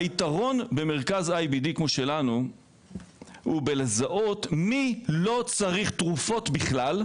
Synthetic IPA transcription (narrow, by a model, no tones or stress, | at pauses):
itaʁo̞nbe̞meʁkazajbidikmo̞ʃe̞lanu | ubelazaʔo̞tmilo̞t͡saʁiχtʁufo̞tbiχlal